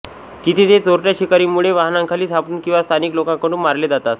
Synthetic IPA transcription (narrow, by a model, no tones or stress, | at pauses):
t̪it̪ʰet̪et͡soɾʈjaɕikaɾiːmuɭeʋaɦnãŋkʰaliːsʰapuːnkĩw̃ʋast̪ʰaniklokãŋkəɽuːnmaɾled͡zat̪at̪